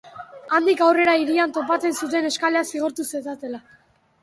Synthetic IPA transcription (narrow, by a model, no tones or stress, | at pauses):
and̪ikawre̞ɾaiɾiant̪o̞pat͡se̞nsut̪̬e̞ne̞skaleasiɣ̞o̞ɾt̪use̞sat̪e̞la